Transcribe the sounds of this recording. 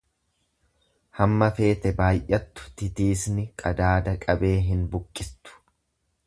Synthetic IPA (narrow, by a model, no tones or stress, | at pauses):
hɐmːɐfe̞ːt̪ɛbaːjʔɐt̪ːʊ̥t̪ɪt̪iːsnɪkʼɐd̪aːd̪ɐkʼɐbe̞ːɦɪnbʊkʼːɪst̪ʊ̥